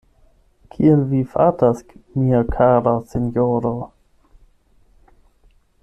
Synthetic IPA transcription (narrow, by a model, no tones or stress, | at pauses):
kʰielvifatasmiakʰaɾasinjoɾo